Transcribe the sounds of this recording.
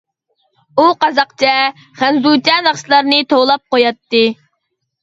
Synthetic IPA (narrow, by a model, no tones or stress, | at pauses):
uqɑzɑqt͡ʃʰɛ | χænzut͡ʃ̪ɛnɑχslˠɑɾnɨt̪ʰolˠɑp̚qojɑt̪ːɨ